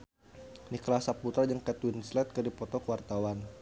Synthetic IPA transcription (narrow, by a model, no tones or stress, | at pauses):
niklasaput̪ad͡ʒaŋkɛt̪winslɛt̪̚kərdipɔt̪ɔkəwart̪awan